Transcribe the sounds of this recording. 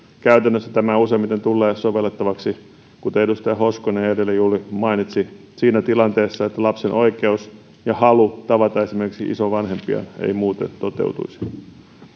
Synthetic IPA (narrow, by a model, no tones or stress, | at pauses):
kæyt̪ænːøsːæt̪æmæusemit̪ent̪ulːeːsoʋelːet̪ːɑʋɑksi | kut̪eedust̪ɑjɑhoskoneːedelːejuːlimɑinit̪si | siːnæt̪ilɑnt̪eːsːɑet̪ːælɑpsenʔo̞ike̞us | jɑhɑlut̪ɑʋɑt̪ɑesimerkiksiʔḭsoʋʋɑnhempiɑ̰nḛimuːt̪ḛnt̪ot̪ḛwt̪ṵisi̥